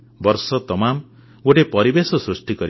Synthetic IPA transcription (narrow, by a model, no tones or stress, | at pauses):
bʌɾsʌt̪ʌmam | oʈepʌɾibesʌsrusʈikʌɾi